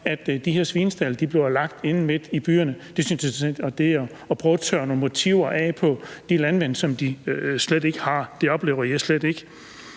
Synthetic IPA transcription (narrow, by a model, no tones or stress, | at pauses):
æd̥d̥iheɐsʋiːnsd̥æləd̥ib̥le̝ɐlɑ̈ɡ̥̚d̥e̝nn̩me̝d̥ib̥y̰ːɐnəd̥e̝synsjɒd̥e̝ | ɒ̽pʰʁœːʊt͡sʰɶ̰ːɐno̝ːnmo̝t͡sʰiʊ̰ɐʔɛpʰɒ̽d̥ilænʋen̰d̥sɒ̽md̥islede̝ɡ̥əhɑ̈d̥e̝ɒ̽b̥le̝ːʊɐjɑ̈ɪsled̥e̝ɡ̥